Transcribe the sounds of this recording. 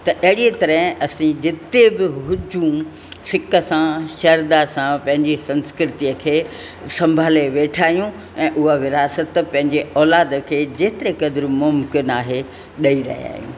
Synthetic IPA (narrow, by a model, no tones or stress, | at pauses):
t̪ɐʔɐɦɪɽiet̪ɐɾəɦɪ̃ɐsĩd͡ʑɪt̪ebɪɦʊd͡ʑʱũ | sɪkə̆sãʃɐɾd̪asãpɐ̃ɦɪ̃ɲd͡ʑisɐ̃nskɾɪt̪iəkʰeː | sɐ̃mbʱaːleʋeːʈʰaːɦijũ | ɛ̃ːʔʊɦəʋɪɾaːsət̪pɐ̃ɦɪ̃ɲd͡ʑeɔːlaːd̪əkʰeːd͡ʑeːt̪ɪɾekɐd̪ɪɾmʊmkɪnaːɦe | ɗɐiɾɐ̰ɦḭa̰ːɦijṵ̃ː